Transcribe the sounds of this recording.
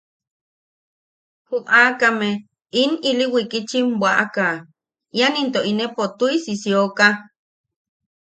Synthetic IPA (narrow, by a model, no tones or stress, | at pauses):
humʔakame | iniliwikit͡ʃimbwaʔaka | janint̪oʔinepot̪uisisjoka